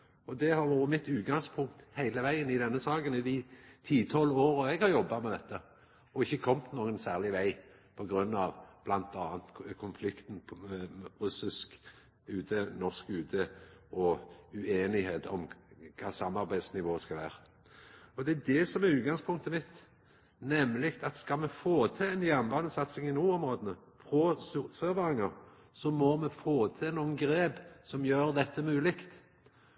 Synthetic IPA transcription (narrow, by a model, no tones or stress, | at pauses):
ɔd̪ɛhɑɾʋuːʁəmɪt̪ːʉːt̪̚ɡɑŋspʰʊŋk̚t̪hæɪləʋæɪənɪd̪ɛnːəsɑːɡənɪd̪ɪt̪ʰiːt̪ʰɔlːoːʁɔɛɡhɑʁjɔbːɑmɛd̪ɛt̪ːə | ɔɪçːəkʰɔmt̪noːɡənsæːʁlɪʋæɪ | pʰɔɡɾʉnːɑʋb̥lɑnt̪ʰɑːnt̪kʰʊnflɪkt̪npʰʁʉsɪsk | ʉːt̪ʰenɔʁskʉːt̪ʰəɔʉeːnɪheːt̪ɔmkʰɑːsɑmːɑʁbæɪd̪snɪʋoːskɑlʋæ̰ːɾə | ɔd̪ɛæd̪ɛsɔmæʁʉːt̪̚ɡɑŋspʰʊŋkt̪əmɪt̪ː | nɛmːlɪkt̪ɑt̪skɑlmɛfoːt̪ʰɛɛnjɛnbɑnəsɑt̪sɪŋɪnuːʊmɾoːd̪ənəpʰɾɔssøʋɑʁɪŋəʁ | sɔmɔmɛfoːt̪ʰɛnuːənɡɾeːbsɔmjøːɾd̪ɛt̪ːəmʉːlɪkt̪